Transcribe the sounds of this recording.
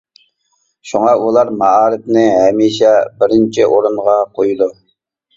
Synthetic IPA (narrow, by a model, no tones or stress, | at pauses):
ʃuŋɑulˠɑɾmɑɑːɾɨt̪nɪɦɛmiʃɛbɪɾɪnt͡ʃʰiʔoɾunʁɑqʰojud̪u